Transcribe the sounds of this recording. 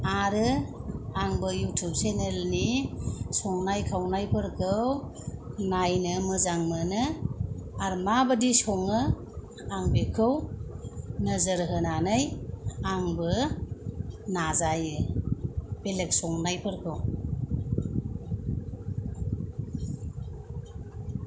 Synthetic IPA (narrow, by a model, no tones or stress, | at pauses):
aɾɯ | aŋbɯjutʰub̚senelnisɔŋnajkʰawnajpʰɯɾkʰɯw | najnɯmɯzaŋmɯnɯ | aɾmabɯdisɔŋɯ | aŋbekʰɯw | nəzəɾɦɯnanɯjaŋbɯ | nazajɯ | belek̚sɔŋnajpʰɯɾkʰɯw